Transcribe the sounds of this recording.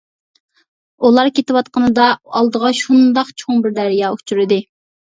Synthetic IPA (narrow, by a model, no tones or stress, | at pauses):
ulˠɑɾkʲʰet̪ɪwɑt̪̚qənɨd̪ɑɑlˠd̪əʁɑʃund̪ɑqt͡ʃʰoŋbɪɾd̪æɾijɑːut͡ʃʰyɾɪd̪ɪ